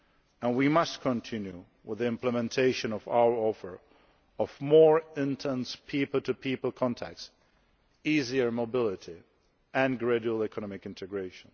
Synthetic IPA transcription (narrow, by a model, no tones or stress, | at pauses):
ə̃nwimʌstkʰə̃ntʰɪ̃njṵ | wɪðiɪ̃mpləmɛ̃ntʰeɪʃɨ̃nʌva̰wə˞ɔfə̰˞ | ʌvmɔɹɪ̃ntʰɛ̃nspʰipəl̩ˠtʰɨpʰipəl̩ˠkʰɑ̃ntʰæ̰k̚s | iziə˞mobɪlˠɪɾi | ʔɨ̃nɡɹɛdul̩ˠɛkʰənɑmɪkɪ̃ntʰɨɡɹeɪʃə̃n